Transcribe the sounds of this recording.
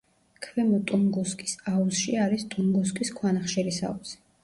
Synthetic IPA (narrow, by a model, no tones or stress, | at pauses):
kʰvɛmɔt̪ʼuŋɡɔskʼi̥sausʃiaɾist̪ʼuŋɡɔs̬kʼiskʰwanaχʃɛɾisa̰usi̥